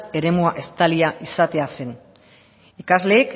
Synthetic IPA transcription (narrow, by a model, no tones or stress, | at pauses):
e̞ɾe̞muaʔe̞st̪aliaʔisat̪ease̞n | ikazle̞ːk